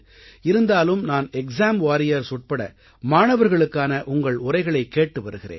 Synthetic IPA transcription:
ɪɾɯnd̪aːlɯmnaːnɛksaːmʋaːɾɪjɐɾsʊʈ̚pɐɽɐ̰ | maːɳɐʋɐɾɣɐɭɯkːaːnɐʔʊŋɡɐɭʊɾɐɪɣɐɭɐɪkːeːʈːɯʋɐɾɯɣɪrḛːn

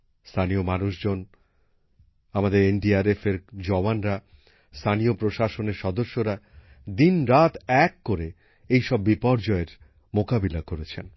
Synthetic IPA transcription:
st̪ʰanijomanuʃd͡ʑon | amad̪eɾenɖiaɾefeɾd͡ʑɔbanɾa | st̪ʰanijopɾoʃaʃoneɾʃɔd̪oʃːoɾa | d̪inɾat̪ɛkːoɾe | ejʃɔbːipɔɾd͡ʑɔeɾ | mokabilakoɾet͡ɕʰen

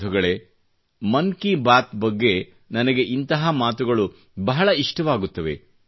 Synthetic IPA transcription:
uɡɐɭe | mɐŋkibaːt̪bɐɡːe̞ | nɐnɐɡe̞ʔint̪ɐɦɐmaːt̪uɡɐɭu | bɐɦɐɭɐiʂʈɐʋaːɡut̪ːɐʋe̞̰

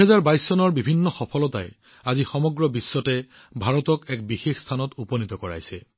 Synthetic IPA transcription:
ɦɛzaɹbajsːɔnɔɹbibʱinːɔxɔpʰɔlɔta̰j | azixɔmɔɡɹɔbisːɔtɛ | bʱaɹɔtɔkɛkbixexstʰanɔtupɔnitɔkɔɹa̰jsɛ

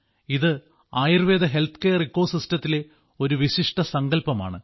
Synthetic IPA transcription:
iðɨ | aːjirʋeːd̪ɐɦe̞lt̪ʰkejɐrikːo̞ːsistɐt̪ːile̞ | o̞ɾuʋiɕiʂʈɐsɐŋɡɐlpɐma̰ːɳɨ

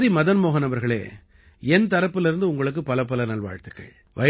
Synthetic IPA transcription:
ðimɐðɐnmoːɣɐnɐʋɐɾɣɐɭḛː | ɛnt̪ɐɾɐpːɪlɪɾɯnd̪ɯʊŋɡɐɭɯk̬ːɯpɐlɐp̬ːɐlɐnɐlʋa̰ːɻt̪ɯkːɐ̰ɭ | ʋʔɐ

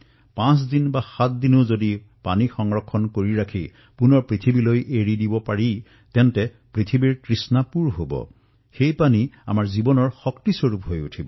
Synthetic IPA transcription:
pãsdinbaxat̚dinozodi | panixɔŋɹɔkʰːɔnkoɹiɹakʰi | punɔɹpɹit̪ʰibilojʔeɹidibɔpaɹi | tɛntɛ | pɹit̪ʰibiɹkɹisnapuɹɦo̰bɔ̰ | xejpania̰maɹzibɔnɔɹxɔktisoɹupɦojṵtʰibɔ

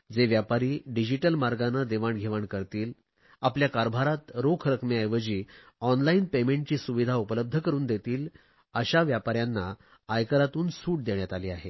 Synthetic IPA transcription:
d͡zeʋjapaɾiːɖid͡ʑiʈəlmaɾɡanəd̪eʋaɳɡʱeʋaɳkəɾt̪iːl | apljakaɾbʱaɾat̪ɾokʰɾəkʰmiajʋəd͡ʑiː | ɔnlainpemẽɳʈ̚t͡ɕiːsuʋid̪ʱaupələb̚d̪ʱəkəɾuːnd̪et̪iːl | əɕaʋjapaɾjanːaː | jkəɾat̪uːnsuːʈ̚d̪eɳjat̪aliːaɦe

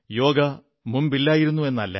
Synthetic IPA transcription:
jo̞ːɡɐ | mumbilːaːjiɾunːue̞nːɐlːɐ̰

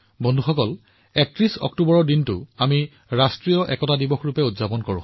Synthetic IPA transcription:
bɔndʱuxɔkɔl | ɛk̚tɹisɔ̰k̚tubɔɹɔɹdintʊami | ɹastɹijɔʔɛ̰kɔtadibɔxɹupɛutzapɔnkoɹʊ̰̃

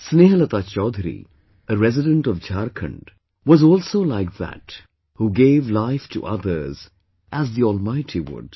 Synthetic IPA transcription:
sneːɦələt̪at͡ʃɔːd̪ʱɾḭ | ʔəɾɛzɪdə̃nʈɔvd͡ʒaɾkʰə̰̃ɳɖ | wɔzɔːlsoːlaɪk̚ðæ̰t | huːɡeːvlaɪfʈʰṵʔʌ̰ðə˞z | ʔæzðiɔːlˠmaɪtʰiwʊ̰ɖ̥

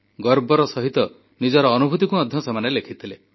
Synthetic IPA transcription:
ɡɔɾbɔɾɔsɔɦit̪ɔ | nid͡ʒɔɾɔːnubʱut̪ikuɔd̪ʱjɔsemanelekʰit̪ʰile

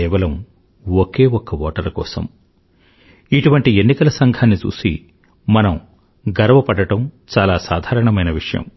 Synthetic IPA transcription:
ɛːʋɐlɐm | oke̞ːɔkːɐʋɔːʈɐɾɐkɔ̰ːsɐ̰m | iʈuʋɐɳʈie̞nːikɐlɐsɐŋɡʱaːnːit͡ʃṵːsḭ | mɐnɐm | ɡɐɾɐʋɐpɐɽɐʈɐmt͡ʃaːlaːsaːd̪ʱaːɾɐɳɐmɐjnɐʋiʂɐjɐ̰m

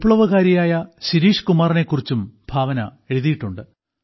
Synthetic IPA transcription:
pɭɐʋɐɣaːɾijaːjɐɕiɾiːʂkumaːrine̞kːurit͡ɕːumb̥ʱaːʋɐnɐ̰e̞ɻuðijiʈːuɳɖɨ

